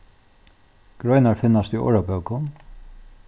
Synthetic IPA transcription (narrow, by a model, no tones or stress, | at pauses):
ɡ̥ɾɔjnaɹfɪnːast̪iʔɔ̰ːɹapœwkʊ